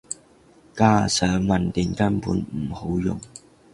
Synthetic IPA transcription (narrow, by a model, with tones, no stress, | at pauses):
kaː˥sœː˨˥ŋmɐ˨nt̪ɪ˨˩ŋkɐ˥npṵː˨˥nm̩˨˩ho˨˥wjʊ̰˨ŋ